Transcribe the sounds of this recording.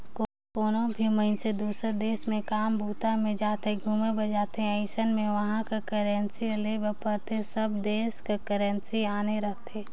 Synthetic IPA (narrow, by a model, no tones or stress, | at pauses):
ko | koːnõbʱiməɪnsed̪uːsəɾd̪eːsmẽkaːmbʱuːt̪amẽd͡ʒaːt̪eɡʱuːmẽbəd͡ʒaːt̪eɦɛ̃əɪʃənmẽʋəɦãkakəɾənsilebəpəɾt̪ʰesəbd̪eːskakəɾə̃nsiaːneɾəɦt̪ẽː